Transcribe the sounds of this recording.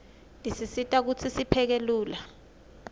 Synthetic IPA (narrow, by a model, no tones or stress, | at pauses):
ndisisitʼak̬ut͡sʰisipʰɛk̬eluːla